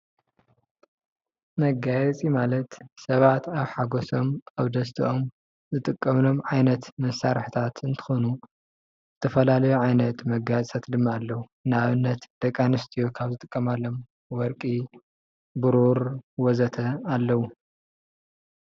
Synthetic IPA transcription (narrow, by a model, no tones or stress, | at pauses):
mɐɡajɛt͡sʼimalɐt̪sɐβat̪aβħaɡoso̞maβd̪ɐst̪ʰiʔom | zɨt̪ʼɨkʼːɐmno̞mʕajnɐt̪mɐsaɾħit̪ʰat̪ɨnt̪ʰɨ̥xonu | zɨt̪ʰɐfɐlalɐjuʕajnɐt̪mɐɡajt͡sʼʰat̪d̪ɨmːaːlːɐwu | naβɨnːɐt̪d̪̥ɐkʼanɨst̪ʰijokʰaβzɨt̪ʼɨkʼːɐmalːo̞m | wɔɾkʼi | bɨɾuɾwɔzɐt̪ʰɐalːɐwu